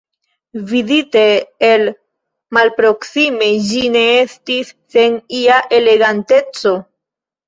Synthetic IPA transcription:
vidite̞ːl | malpɾo̞ksime̞d͡ʒine̞e̞stisːe̞niaʔe̞le̞ɡante̞t͡so̞

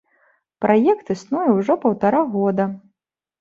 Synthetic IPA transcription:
pɾʔajɛkt̪ɨsnujɐwʐɔpɐwt̪aɾaɣɔd̪ɐ

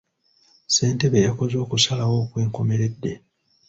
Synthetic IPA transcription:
se̞ːnte̞βejako̞zo̞ːkusalawo̞ːkwe̞ːŋko̞me̞ɾe̞dːe̞

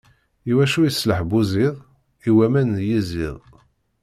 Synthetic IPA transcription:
iwæʃujəsːləħbuziðˤ | iwæmænjizɪ̰ðˤ

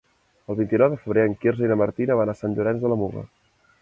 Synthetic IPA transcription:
əlˠβint̪inɔwðəfəβ̞ɾeəŋkirzinəməɾt̪inəβanasanʒuɾɛnzðələmuɣə̰

